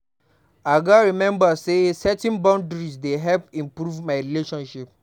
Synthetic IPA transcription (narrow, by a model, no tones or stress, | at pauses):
aɡaɹimɛ̃mbasesɛtĩnbãndɹisdeɦɛlpĩmpɾuvmaɪɾileʃɔ̃nʃip̚